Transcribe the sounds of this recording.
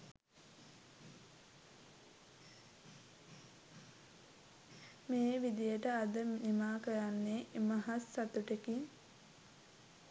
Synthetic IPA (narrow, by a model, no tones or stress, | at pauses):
meːʋid̪ijəʈəad̪ənimaːkəjanːemaɦasːat̪uʈekiŋ